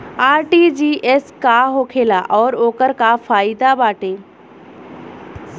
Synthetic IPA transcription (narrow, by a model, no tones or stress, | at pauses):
aːɾʈiːd͡ʑiːʔeskaɦoːkʰeːlaʔɔːɾoːkəɾkafaːid̪abaːʈeː